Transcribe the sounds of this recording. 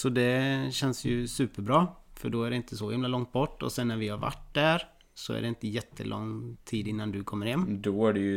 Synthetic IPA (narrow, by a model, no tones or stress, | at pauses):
sɔd̪ɛɕɛnsjɵsʉ̟ːpəɾbɾɑːfœɖɔæɖɛɪnt̪ʰəsɔhɪmlalɔŋt̪̚bɔʈːɔ̰sɛnːæɾvɪhaɾva̰ʈ̚ːd̪æɾ | sɔæ̰ɖɛɪnt̪əjɛt̪ʰːə̰lʔɔ̰ŋːt̪ʰiːd̪ɪnːand̪ɵkʰɔmːəɾhɛmːd̪oæɖɛj